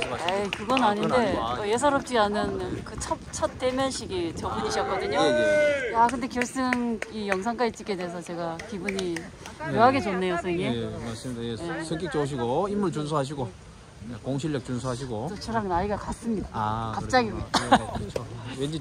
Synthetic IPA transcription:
akɯɡʌnaɲinde̞ʌjes̬ʰaɾʌp̚t͡ɕ͈ianɯnkɯt͡ɕʰʌpt͡ɕʰʌt̚t͈e̞mjʌnɕʰiɡit͡ɕʌŋmuɲiɕ̬ʰʌk͈ʌdɯɲoakɯnde̞kjʌɭs͈ɯŋijʌŋs̬ʰaŋkait͡ɕ͈ik͈edes̬ʰʌt͡ɕe̞ɡakibuɲi | kjoɦaɡe̞t͡ɕonːe̞josʰɯŋimaɭs͈ɯmidajejesʰɯŋk͈ik̚t͡ɕ͈ʌuɕ̬ʰiɡoimːuɭt͡ɕuns̬ʰuɦaɕ̬ʰiɡo | ekoŋɕʰiɭːʌk̚t͡ɕunsʰuaɕ̬ʰiɡotot͡ɕʰʌɾanaiɡakas͈ɯmɲidaakappt͡ɕ͈aɡimidaɯt͡ɕʰowend͡ʑi

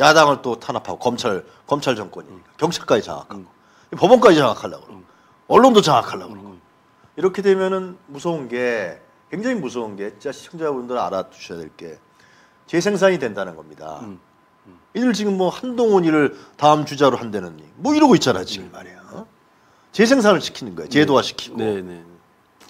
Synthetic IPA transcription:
jadaŋɯɭt͈otʰanapʰaɡokʌmt͡ɕʰaɭ | kʌmt͡ɕʰaɭd͡ʑʌŋk͈wʌɲḭɲik͈akjʌŋt͡ɕʰḁɭk͈ad͡ʑit͡ɕa̰ŋa̰kʰaɡo | ipʌbʌnk͈ad͡ʑit͡ɕʰaŋakʰaɭːa̰ɡoɾoɡ | ʌɭːondot͡ɕaŋakʰaɭːa̰ɡoɾoɡo | iɾʌkʰe̞dwe̞mjʌnɯnmusʰʌunɡe̞ | kwe̞ŋd͡ʑaŋimusʰʌunɡeit͡ɕaɕʰiɕʰʌŋd͡ʑabundɯɾa̰ɾad͡ʑu̥ɕʰʌjadwe̞̰ɭk͈e̞̰ | t͡ɕe̞s̬ʰe̞ŋs̬ʰaɲidwe̞ndanɯnɡʌmɲida̰ | idɯɭt͡ɕiɡɯmːwʌhandoŋoɲiɾɯɭtaɯmt͡ɕud͡ʑaɾohandwenɯnḭmwʌiɾʌɡoit͡ɕ͈aɾa̰d͡ʑiɡemaɾeo | t͡ɕe̞sʰe̞ŋs̬ʰanɯɭɕʰi̥kʰinɯnɡʌḛot͡ɕe̞dowaɕʰi̥kʰi̥ɡ̥o

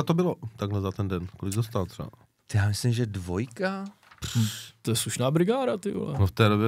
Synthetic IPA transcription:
at̪obɪlot̪aɡlɛzat̪ɛndɛnkolɪɡzast̪alt̪r̥ɛ̰a̰ | t̪jaːmɪslɪmʒɛdvo̞jka | pr̥t̪ojɛsluʃnaːbɾɪɡaːɾat̪ɪʔo̰lɛ̰noft̪ɛːdobjɛ

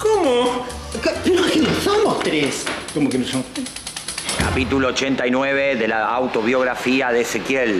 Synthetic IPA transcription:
komokpeoakennosomost̪ɾeskomokenosomot̪ɾeskapit̪uloːt͡ʃent̪ajnweβeðelaːwt̪oβjo̞ɣ̞ɾafiaðeːsekjel

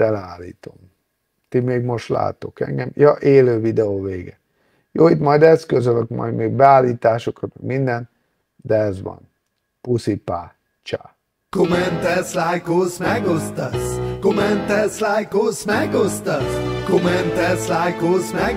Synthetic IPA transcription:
ɛlɛaːlːḭːt̪o̞m | t̪imeːɡmo̞ʃt̪la̰ːt̪o̞̰kɛ̰ŋɡɛmjɒʔeːløːvid̪ɛoːveːɡɛ | joːit̪mɒjd̪ɛskøzøløkmɒ̰jd̪meːɡ̚bɛaːlːiːt̪aːʃo̞kɒt̪mɛɡmind̪ɛn | d̪ɛɛzʋɒ̰n | pusipaː | t͡ʃa̰ː | komɛnt̪ɛslajkoːsmɛɡost̪ɑskomɛnt̪ɛslajkoːsmɛɡost̪ɑskomɛnt̪ɛslaːjkoːsmɛ

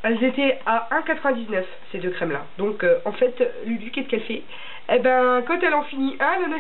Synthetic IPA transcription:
ɛlzet̪ɛaɛ̃kat̪χəvɛ̃d̪iznœf | sed̪økχɛmla̰d̪ɔ̃køɑ̃fɛt̪ | ləlykʲɛt̪kɛlfɛ | ebɛ̃kɑ̃t̪ɛlɑ̃finiʔãnɔ̃nɔ̃

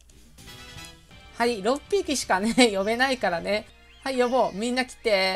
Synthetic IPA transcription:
haiɾopʲːiːkʲiɕi̥kanejo̞me̞naikaɾane̞ | haijoboːmʲĩnːakʲi̥t̪e̞

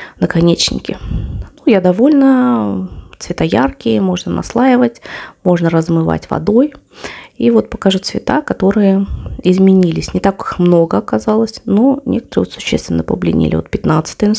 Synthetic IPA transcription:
nəkɐnʲet͡ɕnʲɪ̰kʲɪnujad̪ɐvo̞lʲnə | t̪svʲɪt̪ajarkʲɪəmo̞ʐnənɐ̰slˠajɪvətʲmo̞ʐnəɾəzmɨva̰tʲvɐ̰d̪o̞j | ivo̞t̪̚pəkɐʐut̪svʲɪt̪akɐt̪o̞ɾɨjəɪzmʲɪnʲilʲɪsʲnʲɪt̪akɨ̥xmnoɡəɐkɐzalˠəsʲnonʲʔekət̪əɾɨɪvot̪sʊ̥ɕːest̪vʲɪnːəpəblʲɪ̰nʲḭlʲɪvot̪pʲɪt̪nat̪sɨ̥t̪ɨjn

